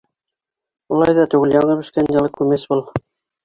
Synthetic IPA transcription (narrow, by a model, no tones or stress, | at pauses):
ulˠɑjðɑt̪ʉɡɘljɑɴɤbɵ̆ʃkænjɑ̆lˠɤkʉmæsbulˠ